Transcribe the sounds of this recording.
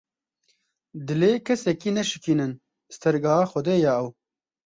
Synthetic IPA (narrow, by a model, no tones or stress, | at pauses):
d̪ɨleːkʰɛsɛkiːnɛʃɨ̥kʰiːnɨn | st̪ʰɛɾɡɑːaːxɔd̪eːjaːɛw